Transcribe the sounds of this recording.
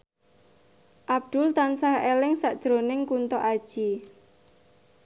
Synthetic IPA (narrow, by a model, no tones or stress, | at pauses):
ʔab̚d̪̥ʊlt̪ansahelɪŋsaʔd̥ʒ̥ɾonɪŋkunt̪ɔʔad̥ʒ̥i